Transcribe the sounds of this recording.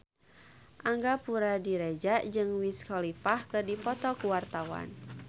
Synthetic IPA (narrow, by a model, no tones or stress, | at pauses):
ʔaŋɡapuɾadiɾɛd͡ʒaʔd͡ʒɨŋwiskʰɔlifahkɨrdipɔt̪ɔkuwart̪awa̰n